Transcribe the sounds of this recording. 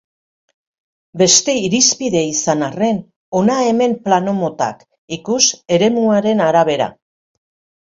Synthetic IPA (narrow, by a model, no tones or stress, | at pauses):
be̞st̪e̞iɾispiðe̞isanare̞n | o̞nae̞me̞mplano̞mo̞t̪a̰k | ikuse̞ɾe̞muaɾe̞naɾaβ̞e̞ɾa̰